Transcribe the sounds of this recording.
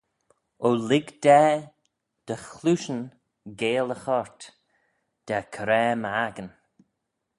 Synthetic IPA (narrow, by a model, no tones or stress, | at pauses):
olɪɡd̪̥ɛː | d̪̥əxluːʃən | ɡeːləxɔɹt̪ | d̪̥akʰəɾɛːmaɡən